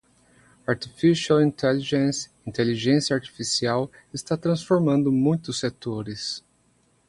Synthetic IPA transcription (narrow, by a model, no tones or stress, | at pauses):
aɾt̪i̥fisawĩnt̪ɛliʒẽsĩnt̪eliʒẽsjɐaɾt͡ʃ̪i̥fisiaw | ɪst̪at̪ɾɐ̃sfoɾmɐ̃nd̪ʊmũj̃t̪ʊsːet̪oɾɪs